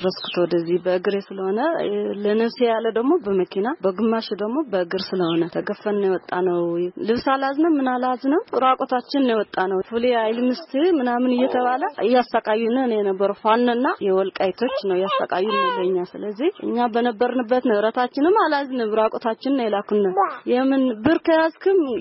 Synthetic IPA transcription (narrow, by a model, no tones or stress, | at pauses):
ɾəskʰɨ̥t̪ʰowd̪əzːihbəɨɡɨɾesɨləho̞nələnəβsejalːəd̪əɡmo̞bəməkʰinabəɡɨmːaʃd̪əɡmo̞bəɨɡɨɾsɨləho̞nət̪ʰəɡəfːənɨnjewɔt̪ʼːanəwlɨβsalaznəwmɨnalaznəwɾakʼot̪ʰat͡ʃːɪnnjewɔt̪ʼːanəwfuliajlmɨst̪ʰɨmɨnamɨnɨjːɛt̪ʰəβaləɨjasakʼajːunɨnjɛnəbːəɾufanːɨnːajɛwɔlkʼajt̪ʰo̞t͡ʃːnəwjasa̰kʼajːunəbəɲːasɨləzːihʔɨ̰ɲːabənəbːəɾnɨbːət̪nəɨɾət̪ʰat͡ʃːɪnɨmalaznəɨɾakʼot̪ʰat͡ʃːɪnnɛlakunːəjɛmːɨnbɨɾkʰəjazkʰɨm